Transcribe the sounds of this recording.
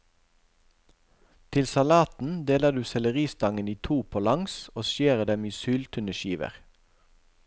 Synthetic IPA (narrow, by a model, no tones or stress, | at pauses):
t̪ʰɪlsɑlɑːt̪n̩d̪eːləd̪ʉːsɛləʁiːst̪ɑŋəniːt̪ʰuːpʰoːlɑŋsoːʃjeːʁəd̪ɛmiːsyːlt̪ʰʉnəʃiːʋə̰ʁ